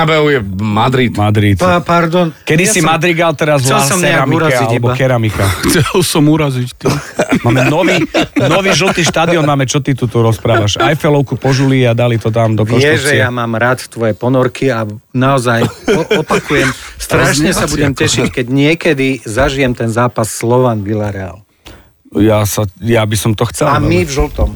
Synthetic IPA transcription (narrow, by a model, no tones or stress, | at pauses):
abɛʊjɛmad̪ɾit̪mad̪ɾit̪paɾd̪ɔnkɛd̪isimad̪ɾiɡalt̪ɛɾazlɛlsɔmɛɾamiɾaialɛbɔkɛɾamikaxt͡sɛlsɔmuɾazict̪imaːmɛnɔʋiːnɔʋiːʒl̩t̪iːʃt̪aːd̪iɔnmaːmɛt͡ʃɔt̪it̪ut̪uɾɔspɾaːʋaʃajfɛlɔʊkupɔʒuliad̪alit̪ɔt̪̬amd̪ɔkɔjɛʒɛɛjamaːmɾaːt̪t̪ʋɔjɛpɔnɔɾkʰianaɔzajɔɔpakujɛmst̪ɾaʃɲɛsabuɟɛmcɛʃickɛɟɲɪɛkɛd̪izaʒijɛmt̪ɛnzaːpasːlɔʋanʋilaɾɛa̰l | jasajabisɔmt̪ɔxt͡sɛamivʒl̩ˠt̪ɔm